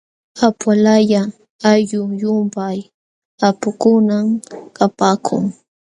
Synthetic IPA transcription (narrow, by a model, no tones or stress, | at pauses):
apwalaja | aʎʊjʊmpaj | apʊkʊnamkapaːkʰʊ̰ŋ